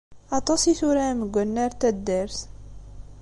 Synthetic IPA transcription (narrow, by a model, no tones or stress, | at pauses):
ɑt̪ˤɑsiθuɾæməɡʷːənːæɾt̪æd̪æɾθ